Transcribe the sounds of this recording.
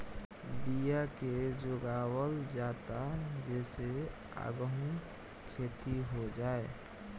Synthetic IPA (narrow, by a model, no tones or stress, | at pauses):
bijaked͡ʒoɡaːwəld͡ʒaːt̪ad͡ʒɛːse | a̰ːɡəɦu | kʰeːt̪iɦod͡ʒaːe